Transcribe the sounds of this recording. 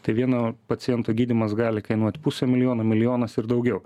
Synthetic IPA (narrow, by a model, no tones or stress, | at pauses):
t̪ɐɪʋʲiɛnoːpɐtsʲɪjɛnt̪oːɡʲiːd̪ʲɪmɐsɡɑːlʲɪkɐɪnuɔt̪ʲpusʲɛmʲɪlʲɪjoːnomʲɪlʲɪjoːnɐsɪɾd̪ɐʊɡʲɛʊ